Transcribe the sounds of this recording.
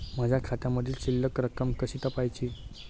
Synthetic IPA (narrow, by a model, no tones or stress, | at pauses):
m̤əd͡ʑʱjakʰat̪jãməd̪ʱiːlt͡ɕilːəkɾəkəmkəɕiːt̪əpajt͡ɕiː